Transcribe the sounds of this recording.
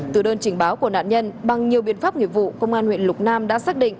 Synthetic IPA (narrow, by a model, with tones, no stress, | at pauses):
t̪ɨ˨˩ɗəː˧nt͡ɕï˨˩ŋ̟ɓaː˨˦wku˧˩əna̰ː˧˨nɲə˧nɓa˨˩ŋɲi˨˩əwɓḭ˧˨ənfaː˦˥p̚ŋḭ˧˨vṵ˧˨kə̰˧wŋ͡mʔaː˧nhwḛ˧˨nlʊ˨˩k͡p̚naː˧mɗa̰ː˧˥saː˦˥k̚ɗḭ˧˨ŋ